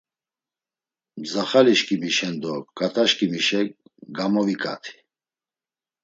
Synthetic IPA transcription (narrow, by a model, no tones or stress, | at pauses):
zaχaliʃkʼimiʃɛnd̪ɔkʼat̪ʼaʃkʼimiʃɛɡamɔvikʼa̰t̪ʰi̥